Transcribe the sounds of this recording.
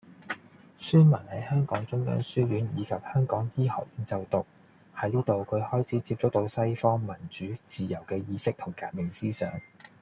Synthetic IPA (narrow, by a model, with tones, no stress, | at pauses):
syː˥nmɐ˨˩nhɐ˨˥jhœː˥ŋkɔ̰ː˨˥ŋt͡sʊ˥ŋjœ̰ː˨˥ŋsyː˥jyː˨˥njiː˨˧kʰɐ˨p̚hœː˥ŋkɔː˨˥ŋjiː˥hɐ̰ː˨˩k̚jyː˨˥nt͡sɐ˨wt̪ʊ˨k̚ | hɐ˨˥jniː˥t̪o˨wkʰɵ˨˧ɥhɔː˥jt͡sʰiː˨˥t͡siː˧p̚t͡sʊ˥k̚t̪o˨˧˥wsɐ˥jfɔː˥ŋmɐ˨˩nt͡ʃyː˨˥t͡siː˨jɐ˨˩wkɛː˧jiː˨˧sɪ˥k̚t̪ʰʊ˨˩ŋkaː˨˧t̚mɪ˨˩ŋsiː˥sœ̰ː˨˥ŋ